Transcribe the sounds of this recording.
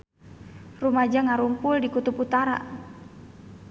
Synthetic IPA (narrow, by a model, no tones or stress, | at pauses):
rumad͡ʒaŋaɾumpuldikut̪uput̪aɾa̰